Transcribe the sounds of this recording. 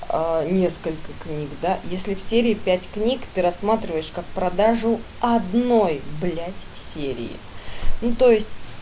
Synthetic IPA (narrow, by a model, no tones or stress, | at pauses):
ənʲe̞skəlʲkəknʲikd̪ajesʲlʲɪfsʲeɾʲɪːpʲætʲknʲikt̪ɨɾɐsːmat̪ɾʲɪvəjɪʂkak̚pɾɐd̪aʐʊ | ɐd̪no̞jblʲætʲ | sʲeɾʲɪ̰ɪ̰ | nut̪o̞jɪsʲtʲ